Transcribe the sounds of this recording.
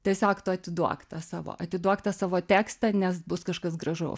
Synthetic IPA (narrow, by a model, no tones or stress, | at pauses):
t̪ɐɪsʲɑːkt̪ʊɐt̪ʲɪd̪uɔkt̪ɐsɑːʋo̰ːɐt̪ʲɪd̪uɔkt̪ɐsɑːʋoːt̪ʲæːkst̪ɐnʲɛsbʊskɐʃkɐsɡrɐʒɐʊ